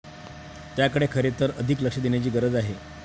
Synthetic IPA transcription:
t̪jakəɽekʰəɾet̪əɾəd̪ʱikləkʂəd̪enjat͡ɕiːɡəɾəd͡zaɦe

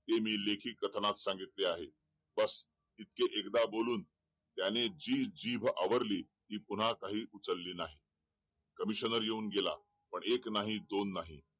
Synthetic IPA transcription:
t̪emiːlekʰiːkːət̪ʰnat̪sãŋɡit̪leaɦe | bəs | it̪̚keʔekd̪aboluːn | t̪janed͡ʑiːd͡ʑiːbʱa̰ʋəɾliː | t̪iːpun̤akaɦiːʔut͡səlːiːnaɦi | kəmiɕənəɾjeuːnɡela̰ | pəɳeknaɦid̪onːaɦi

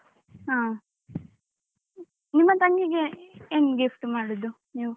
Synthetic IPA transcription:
ɦaː | nimːɐt̪ɐŋɡiɡeeːnɡifʈmaːɽɔd̪u | niːʋu

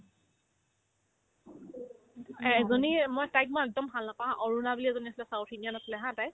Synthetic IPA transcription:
ɛɛzɔnimojtajk̚moɛk̚dɔmbʱalnapãɦãʔɔɹunabiliɛzoniasilɛsawtʰinianasilɛɦãtaj

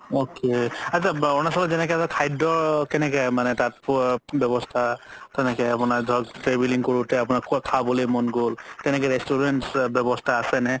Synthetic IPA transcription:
okeat͡ʃʰaɔnasɔlɔzɛnɛkɛatakʰajdɔɹkɛnɛk̬ɛmanɛtat̚pbjɔbɔstʰatɛnɛkɛapʊnaɹdʱɔɡtɹebiliŋkɔɹutɛapʊnakʰkʰabɔlimɔnɡoltɛnɛkɛɹɛstuɹentsbjɔbɔstʰaːsɛnɛ

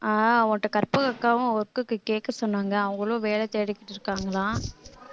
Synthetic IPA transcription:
aːɔŋʈːɐkɐɾpɯɣɐkːaːʋʊ̃ɔɾɯkːɯkːɯkeːkːɐsɔnːaːŋɡɐʊŋɡɐɭoːʋeːɭɛt̪eːɽɪkːɪʈːɪɾɯkːaːŋɡɐlãː

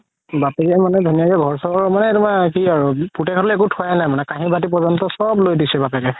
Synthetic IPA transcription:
bapɛkɛmanɛdʱunijakɛɡʱɔɹsɔɹmanɛtumakiaɹuputɛkʰɔtlekutʰuajnajmanɛkaɦĩbat̬ip̬ɔzɔntɔsɔblojdisɛbapɛkɛ

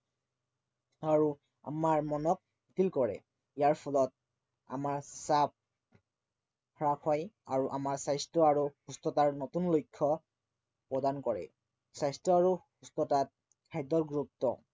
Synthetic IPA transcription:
aɹu | a̰maɹmɔnɔk̚ | itilkɔɹɛ̰ | ijaɹpʰɔlɔt̚ | a̰maɹsap̚ | hɔɹakʰɔja̰ɹuʔamaɹsajstɹɔaɹuhustɔtaɹnotunlojkʰːɔ | pɹɔdankɔɹɛ̰ | sajstɹɔaɹuhustɔtat̚ | kʰajdɔɹɡɹup̚tɔ̰

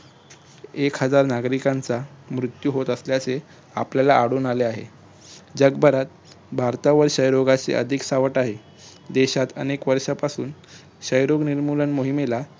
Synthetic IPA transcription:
ekɦəd͡zaɾnaɡɾikant͡samɾut̪juɦot̪əsljat͡se | a̰pljalaʔaɽuːnaleaɦḛ | d͡ʑəɡbʱəɾat̪̚ | bʱaɾt̪aʋəɾɕəjɾoɡat͡sḛʔə̰d̪ʱiksaʋəʈaɦe | d̪eɕat̪ə̰nekʋəɾʂapasuːn | ɕəjɾoɡniɾmulənmoɦimela

